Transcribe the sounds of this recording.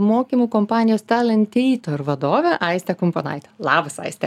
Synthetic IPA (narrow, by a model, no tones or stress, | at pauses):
moːkʲimuːkɔmpɑːnʲɪjoːst̪ʲæːlʲɛnt̪ʲɛɪt̪oɾʋɐd̪oːʋʲɛʔɐɪsʲt̪ʲɛkʊmponɐ̰ɪt̪ʲolˠɑːbɐsɐ̰ɪst̪ʲɛ